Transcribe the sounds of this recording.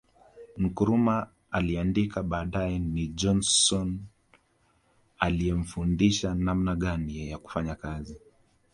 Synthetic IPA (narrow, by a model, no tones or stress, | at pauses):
ŋ̩kuɾumaː | liandikaɓaːɗajɛniʄɔnsɔn | aliɛm̩fundiʃanamnaɠanijɛjaku̥faɲakazi